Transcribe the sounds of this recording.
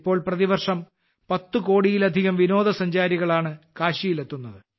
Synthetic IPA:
pːo̞ːɭprɐðiʋɐrʂɐm | pɐt̪ːuko̞ːɽijilɐd̪ʱiɣɐmʋino̞ːd̪ɐsɐɲd͡ʑaːɾiɣɐɭaːɳɨkaːɕijile̞t̪ːunːɐðɨ

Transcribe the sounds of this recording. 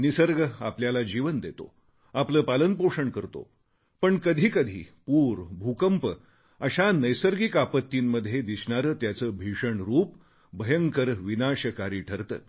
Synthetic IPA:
nisəɾɡəapljalad͡ʑiʋənd̪et̪o̰ | apləːpalənpoʂəɳkəɾt̪o̰ | pəɳkəd̪ʱiːkəd̪ʱḭːpuːɾbʱukəmpə | əɕanəjsəɾɡikapət̪ːiːmməd̪ʱːjed̪isɳaɾət̪jat͡səːbʱiʂəɳɾuːp | bəjəŋkəɾʋinaɕəkaɾiːʈʰəɾt̪ə̰ː

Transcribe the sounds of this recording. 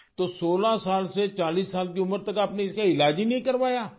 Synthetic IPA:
t̪oːsoːlaːsaːlset͡ʃaːliːsːaːlk̪iːʊməɾt̪əkaːpneɪskaɪlaːd͡ʒiːnĩːkəɾʋaːjaː

